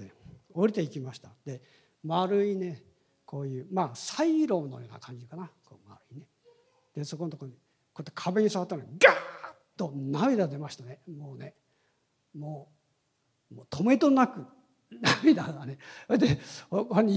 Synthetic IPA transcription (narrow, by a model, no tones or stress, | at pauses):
eoɾʲit̪eikʲimaɕi̥t̪ad̪̥e̞ | maɾɯine̞ | kʰo̞ːjɯ̟ːmaːsaiɾo̞ːno̞̰jo̞ːna̰kʰãɲ̟ɡʲikanako̰maɾɯ̟ine | d̪̥e̞sokonot̪okoɲi | koet̪ːekʰabe̞ɲ̟isaβat̪ːanoiɡaːt̪ːo̞namʲid̪ad̪e̞maɕi̥t̪anemoːne̞ | moː | moːt̪o̞me̞t̪o̞nakɯ̟ | namid̪aɡane̞at̪ehokoɾeɲi